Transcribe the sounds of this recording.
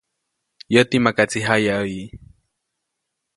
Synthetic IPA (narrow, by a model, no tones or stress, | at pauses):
jot̪imakat͡siɦajaəji